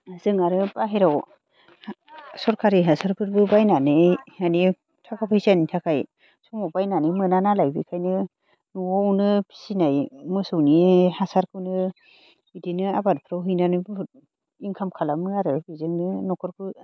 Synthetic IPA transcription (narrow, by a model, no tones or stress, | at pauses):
zɯŋaɾɯbaɦeɾaw | sɔɾkʰaɾiɦasaɾpʰɯɾbɯbajnanɯani | tʰakʰapʰajsanitʰakʰaj | sɔmɔbajnanimɯnanalajbikʰajnɯ | nuwɔwnɯpʰi̥sinajmɯsɯwnihasaɾkʰɯwnɯ | idinɯabadpʰɾawɦɯjnanɯb | iŋkʰamkʰalamɯaɾɯbizɯŋnɯnɔkʰɯɾpʰɯ